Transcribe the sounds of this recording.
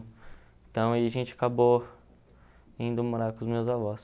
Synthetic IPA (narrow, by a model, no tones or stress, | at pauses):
t̪ɐ̃w̃aiaɐʒẽt͡ʃɪakabo | ĩnd̪ʊmoɾakʊ̃zmewzavɔs